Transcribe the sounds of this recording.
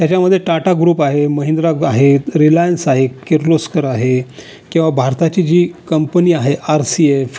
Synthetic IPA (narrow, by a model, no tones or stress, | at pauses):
t̪jat͡ɕjaməd̪ʱːjeʈaʈaɡɾuːpaɦeməɦind̪ɾaaɦeɾilajənsaɦekeɾloskəɾaɦe | kĩw̃ʋabʱaɾt̪at͡ɕiːd͡ʑiːkəmpəniːaɦeʔaɾsief